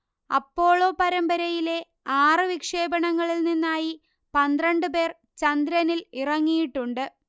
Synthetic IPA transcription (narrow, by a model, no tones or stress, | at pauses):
ɐ̰pːo̞ːɭo̞ːpɐɾɐmbɐɾɐjile̞ | aːrɨʋikʂe̞ːbɐɳɐŋːɐɭilninːaːji | pɐnd̪rɐɳɖɨpe̞ːr | t͡ɕɐnd̪ɾɐnilirɐŋːijiʈːuɳɖɨ